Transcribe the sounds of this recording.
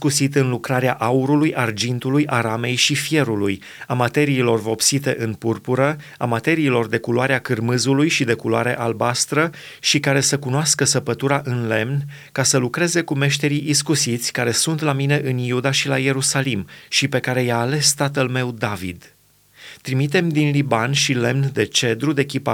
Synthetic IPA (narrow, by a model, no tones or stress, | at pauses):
kusit̪ɨnlukɾaɾeaʔauɾulujʔard͡ʒint̪ulujʔaɾame̞jʃifje̞ɾuluj | amat̪e̞ɾiːlo̞rvo̞psit̪e̞ʔɨnpurpuɾə | amat̪e̞ɾiːlo̞rd̪e̞kuloaɾeakɨrmɨzulujʃid̪e̞kuloa̰ɾe̞̰ʔalbast̪ɾə | ʃikaɾe̞səkunoaskəsəpət̪uɾaʔɨnle̞mn | kasəlukɾe̞ze̞kume̞ʃt̪e̞ɾiʔiskusit̪sʲkaɾe̞sunt̪lamine̞ʔɨnjud̪aʃilaje̞ɾusalimʃipe̞kaɾe̞jaːle̞st̪at̪əlme̞wd̪avḭd̪ | t̪ɾimit̪e̞md̪inlibanʃile̞mnd̪e̞t͡ʃe̞d̪ɾud̪e̞kʲipa